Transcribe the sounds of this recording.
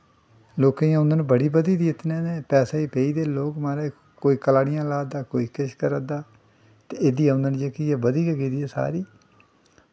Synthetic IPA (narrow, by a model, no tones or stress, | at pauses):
loːkãjãːʊ̃nd̪ənbəɽiːbəd̪iːd̪iːɪt̪ʰnẽːneːpɛːsaːiːpeːiːd̪eːloːkmaːɾaː | koːiːkəlaːɽɪjãːlaːd̪aːkoːiːkəʃkəɾad̪aː | t̪eːɪd̪iːɛ̃ʊ̃nd̪ənd͡ʒəkiːɛːbəd̪iːkəɡiːd̪iːɛːsa̰ːɾiː